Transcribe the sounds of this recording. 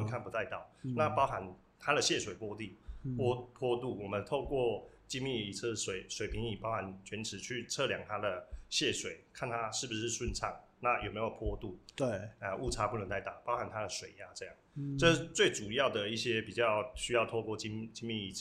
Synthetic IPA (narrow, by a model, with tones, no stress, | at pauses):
ə˧nkʰa˥˩npu˧˦t̪a˥˧ɪt̪ɑ˨˩ʊna˥˧pɑ˥ʊxa˧˦n | t̪ʰa˥d̪ə˨ɕjɛ˥˩ʂwe˨˩ɪpwɔ˥t̪i˥˩pwɔ˥pʰwɔ˥t̪u˥˩wɔ˨˩mə˦nt̪ʰo˥˧ʊkwɔ˥˩t͡ɕi˥nmi˥˩i˨˩t͡sʰɤ˥ʂwe˨˩ɪswe˨˩ɪpʰi˧˥ŋi˨˩pɑ˥ʊxa˧˦nt͡ɕʰɥɛ˧˥nʈ͡ʂʰɻ̩˨˦t͡ɕʰy˥˧t͡sʰɤ˥˨˩ljɑ˨˩ŋt̪ʰa˥d̪ə˨ɕjɛ˥˩ʂwe˨˩ɪkʰa˥˩nt̪ʰa˦˥ʂɻ̩˥˩bu˩ʂɻ̩˥˧ʂwʊ˥˧nt͡sʰɑ˥˩ŋ | na˥˩jʔo˨˩me˧˥ɪjo˨˩pʰwɔ˥t̪u˥˩e˩ə˧ʔu˥˩ʈ͡ʂʰa˥pu˥˩nə˧˦ŋt̪a˥˧ɪt̪ɑ˥˩ʊpɑ˥ʊxa˨˧˥nt̪ʰa˥d̪ə˨ʂwe˨˩ɪa˨ʈ͡ʂɤ˥˧jɑ˥˩ŋʈ͡ʂɤ˥˧ʂ̩˥˧t͡swe˥˩ɪt͡su˨˩jɑ˥˩ʊd̪ə˩i˥˩ɕjɛ˥pi˨˩t͡ɕjɑ˥˧ʊɕy˥jɑ˥˧ʊt̪ʰo˥˧kwɔ˥˨t͡ɕi˥t͡ɕi˥nmi˥˩i˨˩˥